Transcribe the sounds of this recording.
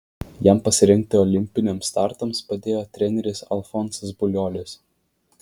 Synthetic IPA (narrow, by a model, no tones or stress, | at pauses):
jæmpɐsʲɪɾʲɪŋʲk̚t̪ʲɪɔlʲɪmʲpʲɪnʲɛmst̪ɑˑɾt̪ɐmspɐd̪ʲeːjoːt̪ʲɾʲɛnʲɛɾʲɪsɐ̰lˠfɔnszbʊlʲoːlʲɪs